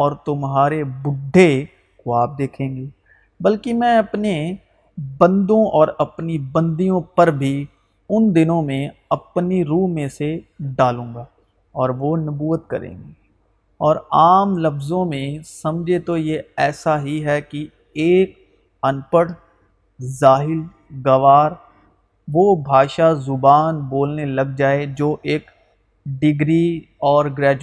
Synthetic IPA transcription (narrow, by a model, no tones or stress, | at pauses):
ɔːɾt̪ʊmɦaːɾebʊɖʱːe | koaːp̚d̪eːkʰẽːŋɡeː | bɐlkimɛ̃ːɐpne | bə̃nd̪õʔɔːɾɐpnibə̃nd̪ijõpɐɾbʱi | ʊnd̪ɪnõmẽɐpniɾuːɦmẽseɖaːlũːŋɡaː | ɔːɾʋonɐbuːət̪̚kɐ̰ɾḛ̃ːŋɡe | ɔːɾaːmlɐfzõmẽsɐ̃md͡ʒʱet̪ojeɛːsaɦiɦɛki | eːk̚ | ɐnpəɽ | zaːɦɪl | ɡɐʋaːɾ | ʋobʱaːʃazʊbaːnboːlnelɐɡ̚d͡ʒaːed͡ʒoːʔeːk | ɖɪɡɾiɔːɾɡɾɛːd͡ʒ